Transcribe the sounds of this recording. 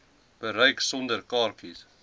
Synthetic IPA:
b̥əɾəjksɔndərkɑːrkis

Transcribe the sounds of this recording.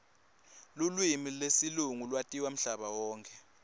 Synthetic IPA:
lulwimilesiluŋulwatʼiwam̩ɬaɓawɔːŋkʰʼɛ

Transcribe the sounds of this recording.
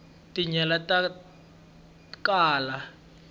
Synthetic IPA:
tʼiɲɛlatʼa | kʼaːla

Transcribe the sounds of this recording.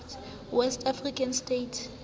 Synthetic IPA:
t | wɛstʰafrikʰanstetʰ

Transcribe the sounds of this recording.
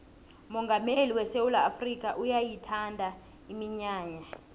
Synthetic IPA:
mɔŋɡʱameliwɛsewulaːfrik̬ʼaʔujajitʰandʱa | imiɲaːɲa

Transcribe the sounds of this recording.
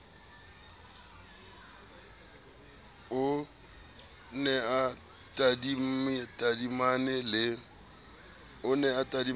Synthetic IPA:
ʊ | nɛa | tʼadim̩mɪtʼadimanɛlɪ | ʊnɛatʼadi

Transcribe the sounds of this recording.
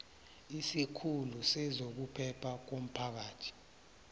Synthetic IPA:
isikʰulusɛzok̬upʰɛpʰak̬om̩pʰak̬aːtʰi̥

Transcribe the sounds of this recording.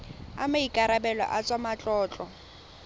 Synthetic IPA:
a̰maikʼaɾabɛlɔ̰ʔat͡sʼwamat͡ɬʼɔːt͡ɬʼɔ

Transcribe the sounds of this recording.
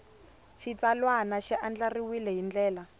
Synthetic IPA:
ʃit͡salwanaʃiʔand͡ɮariwilɛɦind͡ɮɛːla

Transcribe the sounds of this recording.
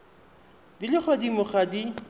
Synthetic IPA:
dilɪχwadimʊχadi

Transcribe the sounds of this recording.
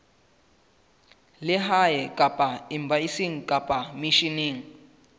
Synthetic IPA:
lɪɦajɛkʼapʼaimbaisiŋ̩kʼapʼamiʃiniːŋ̩

